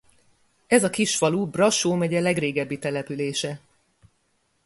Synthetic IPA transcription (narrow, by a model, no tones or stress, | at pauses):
ɛzɒkiʃfɒlubrɒʃoːmɛɟɛlɛɡreːɡɛbːit̪ɛlɛpyleːʃɛ